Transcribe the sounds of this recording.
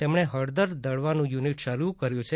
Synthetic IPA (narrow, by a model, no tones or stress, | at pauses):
t̪emɳeɦəɽd̪əɾd̪əɽʋanũjuniʈʃəɾukəɾjũt͡ʃʰe